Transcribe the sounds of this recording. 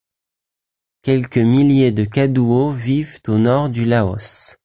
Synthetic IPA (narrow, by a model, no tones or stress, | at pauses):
kʲɛlkəmiljed̪əkad̪uovivt̪onɔʁd̪ylaɔ̰s